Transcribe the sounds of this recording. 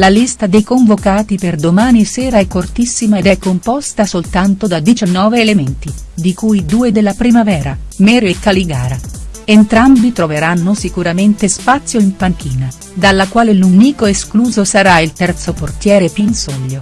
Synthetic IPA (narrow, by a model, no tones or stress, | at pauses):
lalist̪ad̪ejkoɱvokaːt̪iperd̪omaːnisɛːɾaɛkːort̪isːimaed̪ɛkːompɔst̪asolt̪ant̪od̪ad̪it͡ʃanːɔːveːlement̪i | d̪ikujd̪uːed̪elːapɾimavɛːɾamɛːɾoekːaliɡa̰ːɾaent̪ɾambit̪ɾoveɾanːosikuɾament̪espat̪sːjoimpaŋk̟iːna | d̪alːakwaːleluniːkoeskluːzosaɾailt̪ɛrt̪soport̪jɛːɾepinsɔʎːo